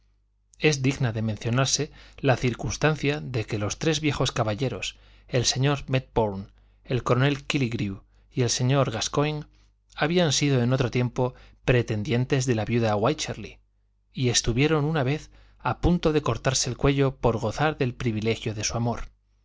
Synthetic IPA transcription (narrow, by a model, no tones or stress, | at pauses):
e̞zd̪iɣnaðe̞mẽn̟θjo̞naɾse̞laθiɾkunst̪anθjaðe̞ke̞lo̞st̪ɾe̞zβje̞xo̞skaβaʎe̞ɾo̞s | e̞lse̞ɲo̞ɾme̞t̪̚boɾn | e̞lko̞ɾo̞ne̞lkiliɣɾiu | ie̞lse̞ɲo̞ɾɣaskojn | aβ̞iansiðo̞eno̞t̪ɾo̞t̪je̞mpo̞pɾe̞t̪e̞nd̪je̞nt̪e̞zðe̞laβjuðaɣwajt͡ʃeɾlḭ | ie̞st̪uβje̞ɾo̞nunaβ̞e̞θ | apunt̪o̞ðe̞ko̞ɾt̪aɾse̞ːlkwe̞ʎo̞po̞ɾɣo̞θaɾðe̞lpɾiβile̞xjo̞ðe̞suamo̞ɾ